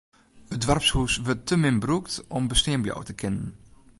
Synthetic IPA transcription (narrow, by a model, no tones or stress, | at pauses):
ədʋarpshusʋətːəmɪnbruktɔmbəstɪəmblɔ̰wtəkɪnən